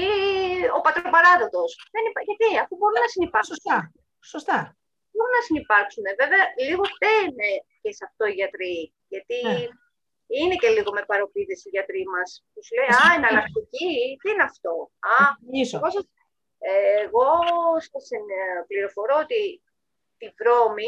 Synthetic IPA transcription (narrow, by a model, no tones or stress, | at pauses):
io̞pɐt̪ɾopɐɾɐðo̞t̪o̞sðenipɐʝɐt̪iɐfubo̞ɾunɐsinipɐsosɐu | sost̪ɐ | bo̞ɾunɐsinipɐɾksune̞ve̞veɐliɣo̞tenece̞sɐft̪o̞iʝɐt̪ɾi | ʝɐt̪i | ine̞ce̞liɣo̞mepɐɾo̞piðesiʝɐt̪ɾimɐstusle̞iɐenɐlɐkt̪icitiineɐft̪o̞ɐisoɣosɐs | eːɣo̞sɐsinpliɾo̞fo̞ɾoot̪i | t̪ivɾo̞mi